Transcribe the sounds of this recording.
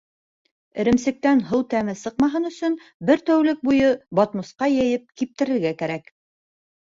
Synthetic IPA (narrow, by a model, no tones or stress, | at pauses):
ɘ̆ɾɘ̆msɘ̆k̚t̪ænɦɤwt̪æmɘsɤqmɑɦɤnɵ̆sɵn | bɘɾt̪æwlɘk̚bujɤbɒt̪mŏsqɑjɘ̆jɘp̚kip̚t̪ɘ̆ɾɘ̆ɾɡækæɾæk